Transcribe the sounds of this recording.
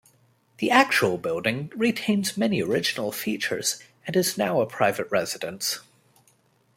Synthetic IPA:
ðiʔæk̚t͡ʃul̩ˠbɪlˠdɪ̃ŋɹitʰẽɪ̃nzmɛniə˞ɪd͡ʒɨnl̩ˠfit͡ʃə̰˞z̥ | ɨ̃nɨznaʊəpʰɹ̥aɪvɨt̚ɹɛzɨɾɨ̃ns

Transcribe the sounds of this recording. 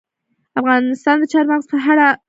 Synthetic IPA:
afɣɑnɪst̪ɑnd̪ət͡ʃɑɾmaɣzpəɦaɾa

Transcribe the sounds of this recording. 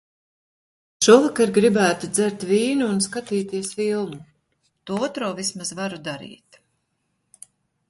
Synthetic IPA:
ʃuɔvakaɾɡɾibæːt̪ud̪zæɾt̪viːnuːnskat̪iːt̪iɛsfilˠmu | t̪uɔːɔt̪ɾoːvismazvaɾud̪aɾḭːt̪

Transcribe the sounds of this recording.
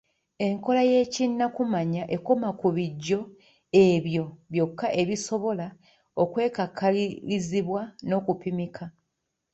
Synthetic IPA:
e̞ŋko̞laje̞ːcinːakumaɲaʔe̞komakuβiɟːo̞ | e̞βjo̞βjo̞kːaʔe̞βiso̞βo̞la | okwe̞ːkakʰːaliiziβwano̞kupimikʰa

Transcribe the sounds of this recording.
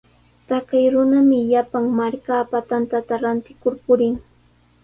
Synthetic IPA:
t̪akajɾʊnamɪʎapaŋmaɾkaːpat̪ant̪at̪aɾant̪ɪkʊɾpʊɾɪŋ

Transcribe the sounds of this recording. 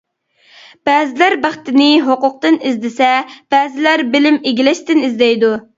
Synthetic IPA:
b̥ɛːzɪlæɾbæχt̪ɪnɪɦoqʊq̚t̪ɨnizd̪ɪsɛb̥ɛːzɪlæɾbɪlɪmeɡʲilɛʃt̪ɪnizd̪ɛjd̪u

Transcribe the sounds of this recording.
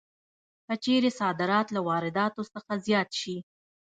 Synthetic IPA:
kət͡ʃeɾesɑd̪ɪɾɑt̪lawɑɾɪd̪ɑt̪osəxazjɑt̪ʃi

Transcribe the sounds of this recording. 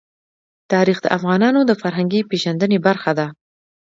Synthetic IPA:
t̪ɑɾixd̪ə̰ʔafɣɑnɑnod̪əfaɾɦaŋɡipeʒand̪ənebaɾxad̪a

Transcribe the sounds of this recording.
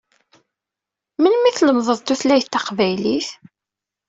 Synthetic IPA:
mənmiθləmðˤəðˤt̪uθlæjt̪ːɑqvæjliθ

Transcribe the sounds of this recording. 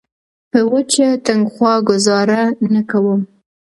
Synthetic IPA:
pəwət͡ʃat̪aŋɡxwɑɡʊzɑɾanakawəm

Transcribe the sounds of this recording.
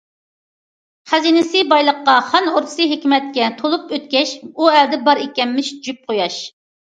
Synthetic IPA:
χæzinɪsɨbɑjlˠəqːɑχɑnoɾt̪ʰɨ̥sɨɦekʲmɛt̪̚kʲɛt̪ʰolˠupøt̪̚kʲɛʃuɛld̪ɛbɑɾikʲɛmːɪʃd͡ʒyp̚qʰojɑʃ

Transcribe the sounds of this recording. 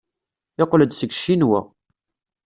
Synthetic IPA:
ɪqːləd̪səɡʃːinwæ̰

